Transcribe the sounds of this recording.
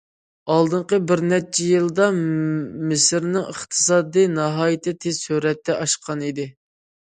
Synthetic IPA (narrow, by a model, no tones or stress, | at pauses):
ɑlˠd̪ɨɴqəbɪɾnɛt͡ʃʰɛjɨlˠd̪ɑ | mɪsɪɾnɪŋəχt̪ʰɨ̥sɑːd̪inɑɦɑːjɪt̪ɪt̪ʰez̥syɾɛt̪ːɛʔɑʃqʰɑnid̪ɪ